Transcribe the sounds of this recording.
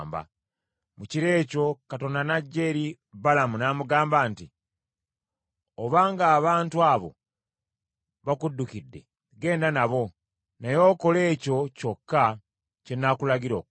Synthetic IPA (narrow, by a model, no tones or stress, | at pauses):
mba̰ | muciɾe̞ːco̞kato̞ndanaɟːe̞ɾi | balamunamuɡaːmbaːnti | oβaːŋɡaːβaːntuaːβo̞̰ | βakudːukidːe̞̰ | ɡe̞ːndanaβo̞ | najo̞ko̞le̞ːco̞co̞kːa | cenakulaɡiɾo̞ːk